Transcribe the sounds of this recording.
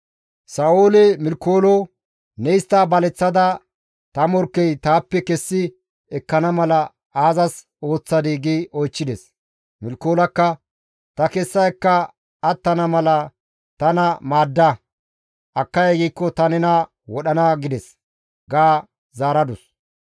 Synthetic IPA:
saoːlɛmɪlkːoːlɔ | nɛɪst̪ːaːbɐlɛt͡sːɐd̪ɐ | t̪ɐmɔɾkːɛjt̪aːpːɛkɛsːɪ | ɛkːɐnɐmɐlɐ | aːzɐs | o̞ːt͡sːɐd̪iːɡiɔjt͡ʃːɪd̪ɛs | mɪlkːoːlɐkːɐ | t̪ɐkɛsːɐjkːɐː | t̪ːɐnɐmɐlɐ | t̪ɐnɐmaːd̪ːɐ | ʔɐkːɐjɐɡiːkːɔt̪ɐnɛnɐ | wɔɗɐnɐɡɪd̪ɛs | ɡaː | zaːɾɐd̪ʊs

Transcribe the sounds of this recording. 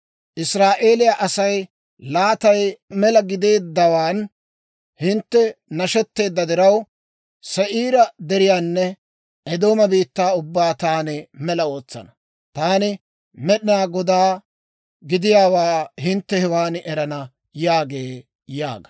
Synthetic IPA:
ʔɪsɾaːʔe̞ːlɪjaʔɐsɐj | laːt̪ɐjmɛlɐɡɪd̪e̞ːd̪ːɐwaːn | hɪnt̪ːɛnɐʃɛt̪ːe̞ːd̪ːɐd̪ɪɾɐw | sɛʔiːɾɐd̪ɛɾɪjaːnːɛ | ʔɛd̪o̞ːmɐbiːt̪ːaːʊbːaːt̪aːnɪmɛlɐo̞ːt͡sːɐ̰nɐ | t̪aːnɪ | mɛɗɪnaːɡɔd̪aː | ɡɪd̪ɪjaːwaːhɪnt̪ːɛhɛwaːnʔɛɾɐnɐ | jaːɡeː | ja̰ːɡɐ̥

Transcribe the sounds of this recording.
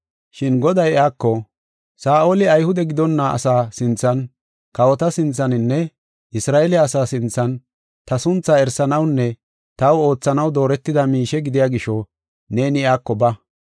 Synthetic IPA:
ʃɪnɡɔd̪ɐjaːkːɔ | saːʔoːlɪɐjhʊd̪ɛɡɪd̪ɔnːɐʔɐ̰saːsɪnt͡sːɐn | kɐwɔt̪ɐsɪnt͡sːɐnɪnːɛ | ʔɪsɾaːʔɛlɪɐsaːsɪnt͡sːɐn | t̪ɐsʊnt͡sːɐɛɾsɐnɐwnːɛ | t̪ɐwo̞ːt͡sːɐnɐwd̪o̞ːɾɛt̪ːɪd̪ɐmiːʃɛɡɪd̪ɪjaːɡɪʃɔ | ne̞ːnɪaːkːɔbɐ

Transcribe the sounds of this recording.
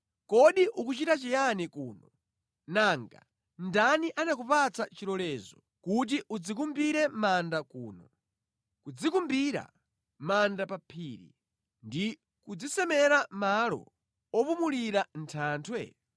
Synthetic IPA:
kɔɗiʔukut͡ʃitat͡ʃɛjanikuːnɔ | naːŋɡa | ndaniʔanak̬upat͡sat͡ʃiɾɔlɛːzɔ | kut̬iʔud͡zikumbiɾɛmandakuːnɔ | kud͡zikumbiɾa̰ | mandapapʰiːɾḭ | ndi | kud͡zisɛmɛɾamalɔ̰ | ɔpumuliɾan̩tʰaːntʰwɛ

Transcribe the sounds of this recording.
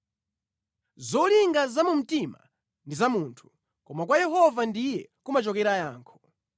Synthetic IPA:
zɔliŋɡazamum̩tima | ndizamuːntʰu̥ | kɔmakwajɛɦɔvandijɛkumat͡ʃɔkɛɾajaːŋkʰɔ̥

